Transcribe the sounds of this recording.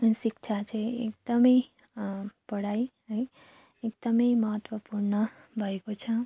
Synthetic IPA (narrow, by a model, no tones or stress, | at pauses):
sikt͡ʃʰat͡ʃʰeḛk̚d̪̥ʌmʌj | pʌɽajɦʌj | ek̚d̪ʌmʌjmʌɦʌt̪wʌpuɾnʌ | bʱʌekot͡ʃʰʌ